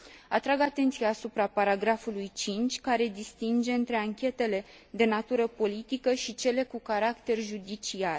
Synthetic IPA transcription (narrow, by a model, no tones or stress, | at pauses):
at̪ɾaɡat̪e̞nt̪sijaːsupɾapaɾaɡɾafulujt͡ʃint͡ʃʲkaɾe̞d̪ist̪ind͡ʒe̞ɨnt̪ɾe̞aŋkʲe̞t̪e̞le̞ | d̪e̞nat̪uɾəpo̞lit̪ikəʃit͡ʃe̞le̞kukaɾakt̪e̞rʒud̪it͡ʃiar